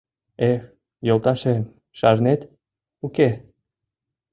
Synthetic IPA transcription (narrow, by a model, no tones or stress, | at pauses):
e | jolˠt̪ɑʃe | ʃɑɾnet̪ | uke